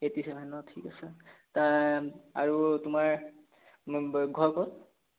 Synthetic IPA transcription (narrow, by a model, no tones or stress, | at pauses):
etisɛbʱanɔtʰikasɛta | a̰ɹutʊmaɹ | ɡʱɔɹkɔt̚